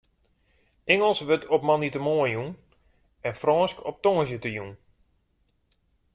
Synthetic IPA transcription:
ɛŋəlˠsʋøtʰɔpmanitəmoəjun | ɛnfrɔːnskɔp̚toŋəs̬jətəjun

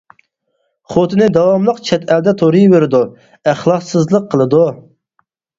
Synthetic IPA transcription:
χot̪ʰɨnɪd̪ɑwɑmlˠəqt͡ʃʰɛt̪ʰɛld̪ɛt̪ʰoɾɨjveɾɪd̪u | æχlˠɑqsɨzlˠəqʰːəlˠɨd̪u

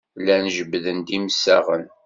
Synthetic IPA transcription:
lːænʒəbːðənd̪imsæʁən

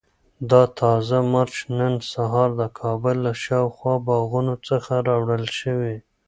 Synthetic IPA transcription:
d̪ɑt̪ʰɑzamɑɾt͡ʃnənsaɦɑɾd̪əkʰɑbʊlːaʃɑwxwɑbɑɣunot͡səxaɾɑwɽəlʃəwe

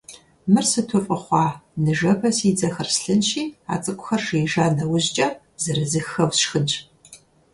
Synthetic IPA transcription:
mɨrsɨtʰɔfʼɨχʷɑːnɨʒɐpʰɐsid͡zɐxɐrsɬɨnʃiːa̰ːt͡sʼɨkʷʼʊxɐrʂijʒaːnɐwʊʑd͡ʒʼɐ | zɐɾɨzɨxɐwsʃxɨnt͡ʃʼ

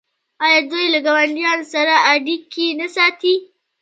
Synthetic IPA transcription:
ʔajad͡ʒojilɪɡɐbɐnɪjɐnsɐɽaʔaːdɪkʲːiːnasaːtiː

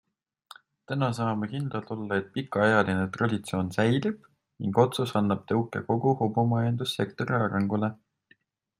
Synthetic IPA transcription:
t̪ænɑs̬ɑːmekind̪̥ɑlt̪olːɑe̞t̪̚pikːˑɑɑjɑlinet̪rɑd̪it̪so̞ːnsæjlib̥ | niŋɡ̥o̞t̪susɑnːɑb̥̚t̪ɤwkːˑḛko̞ɡ̥uhobumɑend̪̥usːe̞kt̪o̞ɾiɑːɾɑŋɡule̞

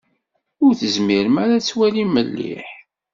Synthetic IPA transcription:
ʊɾθəzmiɾəmaɾat͡sːwæliməlːḭħ

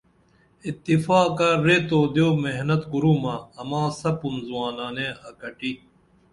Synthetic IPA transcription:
it̪ːifaːkaɾet̪oːd̪joːmeɦnɐt̪kuɾumaɐmãːsɐpunzuwaːnaːnẽɐkɐʈi

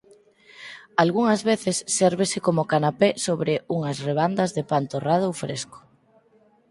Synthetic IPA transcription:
alɣuŋɐzβeθɪsːɛɾβesɪkomʊkanapesoβɾɪuŋɐsreβ̞and̪ɐzðepant̪orað̞oowfɾesko̥

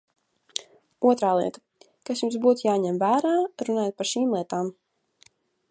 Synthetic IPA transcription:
uɔt̪ɾaːlˠḭɛt̪ḁ | kasjumsbuːt̪jaːɲɛmvæːɾaːɾunaːjat̪̚paɾʃiːmlˠiɛt̪aːm

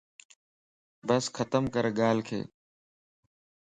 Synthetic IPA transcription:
bəsxʰət̪əmkəɾɠaːlkʰḛː

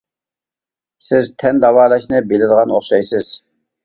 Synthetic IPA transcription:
sɪzt̪ʰɛnd̪ɑwɑːlˠɑʃnɨbelɪd̪əʁɑno̰χʃɑjsɪz̥

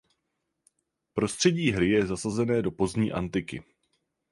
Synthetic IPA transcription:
pɾo̞st̪r̝̥ɛɟiːɦɾɪjɛzasazɛnɛːdo̞po̞zɲiːʔa̰nt̪ɪkɪ̰

